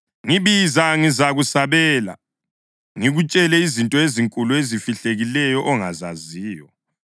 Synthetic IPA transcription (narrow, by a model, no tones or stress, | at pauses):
ŋiβizaŋizaɣusaβɛːla̰ | ŋiɣut͡ʃʼɛlɛizintʼɔeziŋkʼuluezifiɬeɣilɛjɔʔɔŋazaziːjɔ